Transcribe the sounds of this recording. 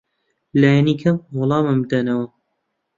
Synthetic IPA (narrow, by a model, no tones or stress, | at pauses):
laːjɛnikʰɐmwɑlˠɑːmɨmbɨd̪ɐnɐwɐ